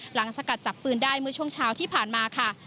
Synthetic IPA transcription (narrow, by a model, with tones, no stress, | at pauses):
la˩˦ŋsa˧ka˨˩t̪̚t͡ɕa˨˩pːɯː˧ndaː˥˩jmɯ˥˩ɐt͡ɕʰu˥˩əŋt͡ɕʰaː˦˥wt̪ʰiː˥˩pʰaː˨˩nmaː˧kʰa˥˩